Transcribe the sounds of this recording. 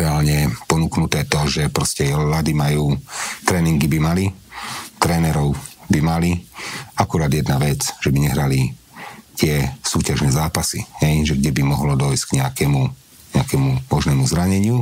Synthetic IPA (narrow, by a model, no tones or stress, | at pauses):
ɛaːlɲɛpɔnuknut̪ɛːt̪ɔʒɛpɾɔscɛlad̪imajuːt̪ɾɛːniŋɡibimalit̪ɾɛːnɛɾɔʊbimaliakuɾaːd̪jɛd̪naʋɛt͡sʒ̥ɛbiɲɛɦɾali | t̪ɪɛsuːcaʒnɛzaːpasḭɦɛjʒɛɡɟɛbimɔɦlɔd̪ɔjscɡɲɛakɛmu | ɲɛakɛmumɔʒnɛːmuzɾaɲɛɲɪu